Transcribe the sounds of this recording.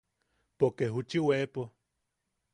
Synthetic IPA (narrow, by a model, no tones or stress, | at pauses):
pokeɦut͡ʃiwepo